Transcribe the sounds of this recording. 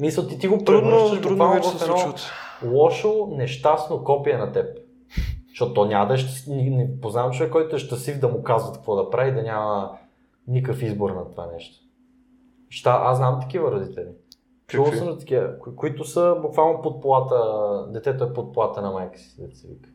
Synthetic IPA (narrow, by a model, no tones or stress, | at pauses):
misəlˠt̪it̪iɡop̪ɾɛud̪nəʃb̪ɾuud̪valˠnovɐfɛnɔt̪lˠɔʃonɛʃt̪asnokɔpiɐnɐt̪ɛp̚ | ʃɔt̪ʊt̪ɔnʲaməd̪ɐɛʃt̪sninɛpoznavɐmt͡ʃovɛkːɔjt̪ʊɛʃt̪ɐsifd̪ɐmʊkazvɐt̪k̚kvɔd̪ɐpɾavid̪ɐnʲamə | nikəfizboɾnɐt̪ova̰nɛʃt̪o̥ | ʃt̪aʔa̰snamt̪ɐ̥k̟ivəɾɐd̪it̪ɛli | kt͡ʃusɐnɐt̪ɐ̥kiəkkoit̪ʊsəbukvalˠnopot̪̚polˠat̪əd̪ɛt̪ɛt̪oɛpot̪̚polˠat̪ənɐmajkə̥sid̪ɐt̪i̥sivḭkə̥